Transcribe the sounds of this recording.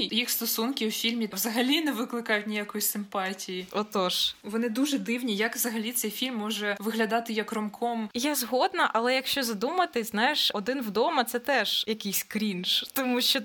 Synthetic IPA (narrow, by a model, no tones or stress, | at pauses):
jixst̪ɔsunkʲɪwfʲilʲmʲiʋzɐɦɐlʲinɛʋɪklˠɪkɑjʊt̚ʲnʲijakɔjisɪmpɑtʲijiɔt̪ɔʃʋɔnɪd̪uʒɛd̪ɪwnʲijɐkʋzɐɦɐlʲit̪sɛjfʲilʲmːɔʒɛʋɪɦlʲɐd̪ɑt̪ɪjɐkrɔmkʰɔmjazɦɔd̪nɐʔɐlˠɛjɐkʃt͡ʃɔzɐd̪umɐt̪ɪznɑjɪʃɔd̪ɪnwd̪ɔmɐt̪sɛt̪ɛʒjɐkɪjsʲkɾʲint͡ʃt̪ɔmuʃt͡ʃɔ